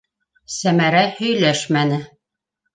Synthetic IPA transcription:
sæmæɾæhɵ̆jlæʃmænɘ

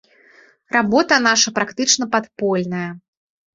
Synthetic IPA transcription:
rabɔt̪ɐnaʂɐpɾakt̪ɨt͡ʂnɐpat̪pɔlʲnɐjɐ

